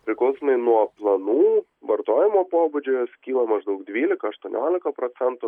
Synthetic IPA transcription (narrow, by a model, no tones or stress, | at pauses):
pʲɾʲɪklˠɐʊsomɐɪnuɔplˠɐnuː | ʋɐɾt̪oːjɪmoːpoːbʊd͡ʒʲojosʲkʲiːlˠɐmɐʒd̪ɐʊkd̪ʲʋʲiːlʲɪkɐɐʃt̪uɔnʲo̰ːlʲɪkɐpɾoːt̪sʲɛnt̪ʊ